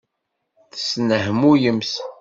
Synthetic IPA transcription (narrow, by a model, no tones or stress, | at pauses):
θə̥snəɦmujəms